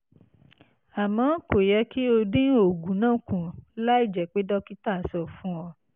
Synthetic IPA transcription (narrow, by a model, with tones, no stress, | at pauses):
a˨mɔ̃˨˦ko˨jɛ˧˦ki˦o˧dĩ˦o˨ɡũ˨˦nã˦˨kũ˨la˦i˦˨d͡ʒɛ˨k͡pe˦dɔ˦ki˦ta˦˨sɔ˨fũ˨˦ɔ˧